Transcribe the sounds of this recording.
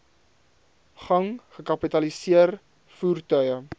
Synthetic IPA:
χɐŋχəkɐpitɐlisiər | fuːrtœɥə

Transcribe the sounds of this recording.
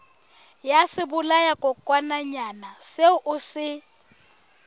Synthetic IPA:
jasɪbʊlajakʼɔkʼwanaɲanaseʊʔʊsɪ

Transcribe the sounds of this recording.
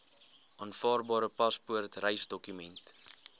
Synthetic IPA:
ʔɑːnfɑːrbɑːɾəpɐspuərtrɛjsdɔkymɛnt

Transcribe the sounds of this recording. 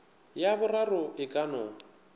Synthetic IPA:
jabʊrarʊɪkʼanɔːŋ̩

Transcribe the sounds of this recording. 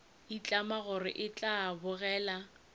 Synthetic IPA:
it͡ɬʼamaɣʊrɪ̰ʔɪt͡ɬʼabʊɣɛːla

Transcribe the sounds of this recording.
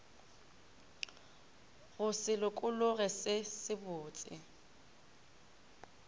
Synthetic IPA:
ɣʊsɪlʊkʼʊlʊɣɛsɪsɪbʊːt͡sʼɪ̰

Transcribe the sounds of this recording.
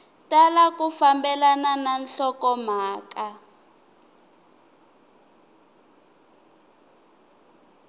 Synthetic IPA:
talakufambɛlanananɬɔkɔm̤aːka

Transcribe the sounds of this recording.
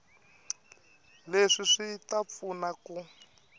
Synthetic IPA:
leʂiʂitap̪funaku

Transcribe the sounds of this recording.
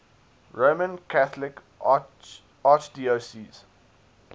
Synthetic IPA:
ɹomə̃nkʰaθlɪk | ɑt͡ʃdiːosiːz̥

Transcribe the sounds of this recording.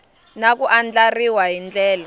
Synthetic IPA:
nak̬uʔand͡ɮariwaɦind͡ɮɛːla

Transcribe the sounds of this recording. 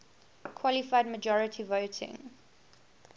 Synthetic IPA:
kʰwɔlɪfaɪdməd͡ʒɔɹətʰivoʊtʰɪ̰̃ŋ

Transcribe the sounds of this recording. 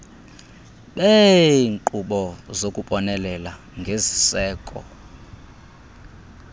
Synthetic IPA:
ɓeŋǃuɓɔzokʼuɓʼɔnɛlɛla | ŋɡʱezisɛːkʼɔ̰

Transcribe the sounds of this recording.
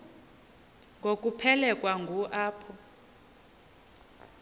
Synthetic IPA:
ŋɡʱokʼupʰɛlɛkʼwaŋɡʱuʔaːpʰɔ

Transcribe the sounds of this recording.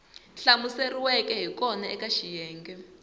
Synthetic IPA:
ɬamuseriwɛkɛɦikɔnaɛkaʃijɛːŋɡɛ

